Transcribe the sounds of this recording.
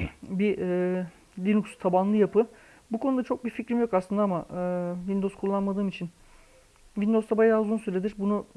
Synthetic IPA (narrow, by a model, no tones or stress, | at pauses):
biʔɛ | lʲinukst̪ʰabanlˠɯjapʰɯ | bukʰo̞nud̪at͡ʃʰo̞k̚bificɾimjo̞kaslˠɯnd̪aamaʔɯːvind̪o̞zkʰulˠːanmad̪ɯːmit͡ʃʰin | vind̪o̞zt̪ʰabajaazunsyɾlʲe̞d̪iɾbunu